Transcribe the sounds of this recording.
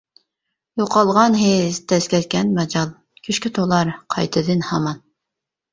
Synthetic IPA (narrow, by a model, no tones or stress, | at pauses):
joqɑlˠʁɑnɦezt̪ʰɛskʲɛt̪kʲɛnmɛd͡ʒɑlˠ | kʲʰyʃkʲit̪ʰolˠɑɾqʰɑ̰jt̪ʰɨd̪ɨnhɑmɑn